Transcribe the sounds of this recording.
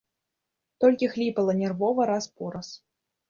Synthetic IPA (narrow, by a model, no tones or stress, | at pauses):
t̪ɔlʲkʲixlʲipɐlˠɐnʲɛrvɔvɐɾaspuɾɐs